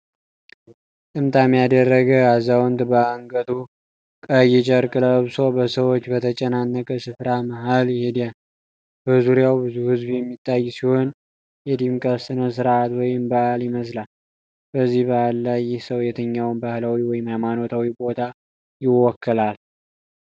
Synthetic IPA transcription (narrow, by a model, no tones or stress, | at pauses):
t̪ʼɨmt̪ʰʼamːijad̪ərːəɡəazawnt̪bəaŋɡət̪ʰu | kʼəjɪt͡ʃʼəɾkʼɨləβso̞bəsəwot͡ʃːbət̪ʰət͡ʃʼɛnanːəkʼəsɨfɾaməɦalhed̪ijan | b̥əzuɾjawbɨzuhɨzbjɛmːit̪ʰʼːajːsiho̞n | jɛd̪imkʼəsɨnəs̬ɨɾat̪wɔjɪmbaʔaljɪməs̬lal | b̥əzːihbahlːajːɪhsəwjɛt̪ʰəɲːawnbahlawiwɔjɪmajmano̞t̪ʰawibo̞t̪ʰa | jɪwɔkʰːəlal